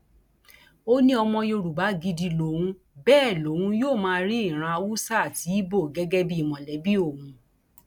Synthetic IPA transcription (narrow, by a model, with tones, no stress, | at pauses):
o˦nĩ˦ɔ˧mɔ̃˧jo˧ɾu˨ba˨˦ɡi˧di˧lo˨wũ˧˦ | bɛː˦˨lo˨˦wũ˦joː˦˨mãː˦˧ɾi˦i˦˨ɾ̃ã˧wu˦sa˦a˨ti˨˦i˦bo˦˨ɡɛ˦ɡɛ˦bi˦i˦˨mɔ̃˨lɛ˨˦bi˦o˦˨hũ˧˦